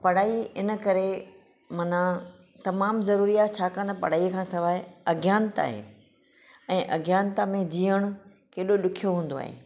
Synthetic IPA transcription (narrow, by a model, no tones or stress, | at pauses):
pɐɽ̤aːiɪnə̆kɐɾe | mɐnã | t̪ɐmaːmzɐɾuːɾijaːt̪̚t͡ɕʰaːkɐ̃nd̪apɐ̰ɽ̤aːikʰãːsɐʋaːɪɐɡjaːnət̪a̰ːɦḛː | ɛ̃ːʔɐɡjaːnt̪amẽd͡ʑiːəɽ̃ʊ̆ | keːɗoɗʊkʰijoɦũːnd̪oa̰ːɦḛː